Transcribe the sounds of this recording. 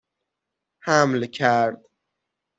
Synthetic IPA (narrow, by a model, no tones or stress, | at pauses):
hamlkʲʰaɾd̪